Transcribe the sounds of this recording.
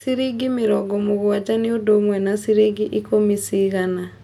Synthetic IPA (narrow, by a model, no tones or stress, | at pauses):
siɾiɡimiɾɔɡɔmoɣwad͡ʒaniodomwɛnasiɾeɡiʔikomisiɣana